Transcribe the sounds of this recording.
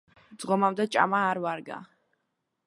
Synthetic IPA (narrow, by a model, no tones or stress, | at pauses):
d̪z̥ʁɔmamd̪ɛt͡ʃʼa̰maːɾvaɾɡa̰